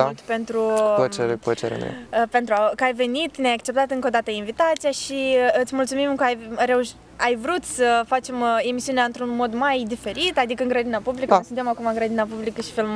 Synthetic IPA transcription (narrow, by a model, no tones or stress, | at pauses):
at̪pe̞nt̪ɾuət͡ʃeɾepət͡ʃeɾḛn̰ḛəpe̞nt̪ɾuakəajve̞nit̪neajakt͡ʃe̞p̚t̪at̪ɨŋkod̪at̪əinvit̪at̪sijaʃiɨt̪sʲmult̪sumimkəajɾe̞uʃ | ajvɾut̪səfat͡ʃe̞me̞misiuneaɨnt̪ɾunmo̞d̪majd̪ife̞ɾit̪ad̪ikəɨŋɡɾad̪inapublikəsunt̪emakumaŋɡɾad̪inap̬ublikəʃi̥film